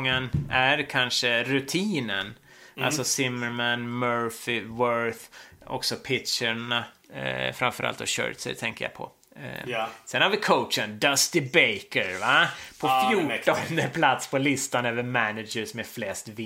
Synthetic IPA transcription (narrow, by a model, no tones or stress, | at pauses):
ŋːənæɾkʰanʂəɾʉt̪ʰiːnə̰n | a̰sɔsɪmːəɾmænmœɹfɪvœɾθɔ̰ksɔpʰɪtʂaɳa | fɾamfœɾʔa̰lt̪ɔ̰ɕœ̰ːt̪sɛ̰t̪ʰɛŋkəja̰pʰɔ̰ | sɛnhaɾvɪkʰoʊtt͡ʃənd̪ɐst̪ɪbeɪkəɾvapʰɔfjuːʈɔnd̪əpʰlat̪spʰɔlɪst̪anøːvəmænɪd͡ʒəsɔmɛflɛst̪vɪ